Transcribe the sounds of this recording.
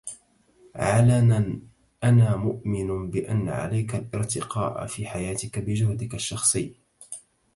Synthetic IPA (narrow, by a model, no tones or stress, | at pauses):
ʕalanan | ʔanaːmʊʔmɪnʊbɪʔanːa̰ʕa̰lajkalʔɪɾt̪ɪqɑːʔfiːħajaːt̪ɪkabɪd͡ʒʊhd̪ɪkaʃːɑxsˤɨjː